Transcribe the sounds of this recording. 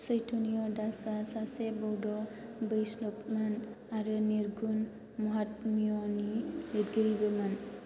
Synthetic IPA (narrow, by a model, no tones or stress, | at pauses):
səjtʰonijɔdasasasebɔwdɔ | bəjslɔpman | aɾɯniɾɡun | mɔɦatmiɔniledɡəɾibɯman